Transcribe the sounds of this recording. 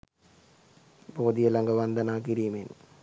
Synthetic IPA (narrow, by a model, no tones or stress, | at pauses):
boːd̪ijɐlɐŋɡɐʋɐnd̪ɐnaːkiɾijmen